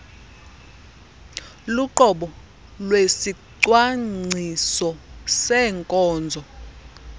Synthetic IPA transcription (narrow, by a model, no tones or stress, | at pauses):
luǃɔɓɔ | lwesiǀwaŋ͡ǀʱisɔsɛːŋkʼɔːnd͡zʱɔ